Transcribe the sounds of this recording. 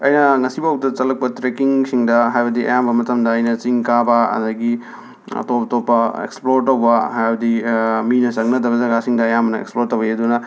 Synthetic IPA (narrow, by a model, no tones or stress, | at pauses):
ɐ̰jnɐŋɐsibawtɐt͡ʃɐlɐk̚pɐtɾekiŋsiŋdɐɦajbɐdiʔɐ̰jambɐmɐtɐmdɐɐjnɐt͡ʃiŋkabɐɐ̰dɐɡi | ɐ̰tobɐtopːɐḛksploɾtɐwbɐhajbɐdiminɐsɐŋnɐdɐβɐzɐɡasiŋdɐːjamɐnɐḛksploɾtɐweɐdunɐ